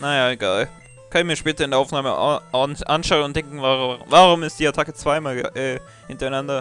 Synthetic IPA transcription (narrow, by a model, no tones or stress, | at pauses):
najaːeɡaːl | kʰanmiːɐʃpɛːtɐɪndeɐʔaʊfnaːməʔanʔanʃaʊənʊntd̥ɛŋkŋ̩vaʁvaʁʊmɪstd̥iːaɐtʰakət͡sv̥aɪmaːlɡ̰ʔɛː | hɪntɐaɪnandɐ